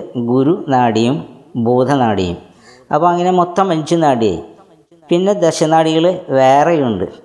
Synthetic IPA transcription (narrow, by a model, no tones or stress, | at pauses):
ɡuɾunaːɽijumboːd̪ʱɐnaːɽḭjṵm | ɐ̰pːoːɐŋːɐne̞mot̪ːɐmːɐnt͡ɕunaːɽijɐ̰ḭ | pinːe̞d̪ɐɕɐnaːɽiɣɐɭʋeːrejuɳɖɨ̰